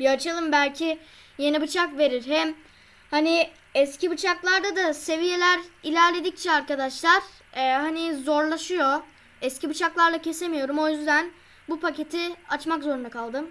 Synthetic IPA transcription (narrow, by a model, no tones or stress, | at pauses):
biat͡ʃʰalˠɯmbælʲcʰi | je̞nibɯt͡ʃʰakve̞ɾiɾɦɛm | hani | ɛscʰibɯt͡ʃʰaklˠaɾd̪ad̪ase̞vije̞lʲæɾilʲæɾlʲe̞d̪ic̚t͡ʃʰɛaɾkad̪aʃlˠaɾ̥ | ɛɦanizo̞ɾlˠaʃɯjo̞ | ɛscibɯt͡ʃʰaklˠaɾlˠacʰe̞se̞mijo̞ɾumo̞jyzd̪æn | bupacʰe̞t̪ʰiat͡ʃmakzo̞ɾund̪akʰalˠd̪ɯm